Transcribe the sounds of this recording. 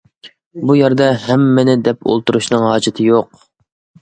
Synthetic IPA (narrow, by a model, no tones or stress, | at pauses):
bujɛɾd̪ɛɦɛmːɪnɪd̪ɛpo̰lˠt̪uɾuʃnɨŋhɑːd͡ʒɪt̪ʰɪjoq